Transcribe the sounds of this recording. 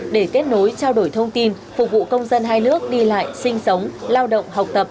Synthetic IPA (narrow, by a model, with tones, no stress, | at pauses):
ɗe˧˩ke˦˥t̚no˨˦jt͡ɕaː˧wɗo˧˩jt̪ʰə˧wŋ͡mt̪i˧n | fʊ˨˩k͡p̚vṵ˧˨kə˧wŋ͡mzə˧nɦaː˧jnɨ˦˥ək̚ɗi˧la̰ː˧˨jsï˧ŋ̟sə˨˦wŋ͡mlaː˧wɗə̰˧˨wŋ͡mɦa˨˩wk͡p̚t̪ə˨˩p̚